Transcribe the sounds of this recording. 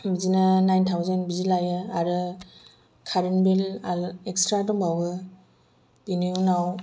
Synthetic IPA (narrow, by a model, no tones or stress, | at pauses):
bizinanajntʰawzenbizilajɯaɾɯ | kʰaɾenbilalekstɾatɔŋbawɡɯ | b̥inijunaw